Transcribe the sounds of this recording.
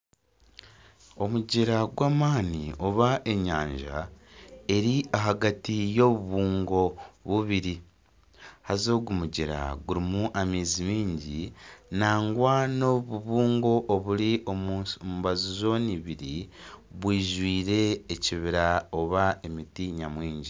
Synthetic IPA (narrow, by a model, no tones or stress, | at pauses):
o̞muɟiɾaɡwaːmaːnḭo̞βaʔe̞ɲaːɲʒa̰ | e̞ɾiʔaɦaɡatijo̞βuβuːŋɡo̞βuβiɾi | hazo̞ɡumuɟiɾa̰ɡuɾimuʔamiːzimiːɲɟinaːŋɡwano̞βuβuːŋɡo̞ʔːβuɾiʔomuːsmuβazuzo̞niβiɾiβwiːʒwiːɾe̞ːciβiɾao̞βae̞mitiɲamwiːɲɟi